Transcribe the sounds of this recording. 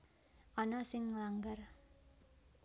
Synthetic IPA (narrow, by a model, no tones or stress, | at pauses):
ʔɔnasɪŋməlaŋɡar